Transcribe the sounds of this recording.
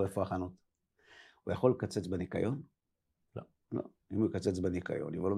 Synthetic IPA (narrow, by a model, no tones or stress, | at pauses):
efoaχanot̪ | ujaχo̞lkat͡set͡sbenikajo̞n | lo̰ | lo̰ | imukat͡set͡sbenika̰jo̰nivolo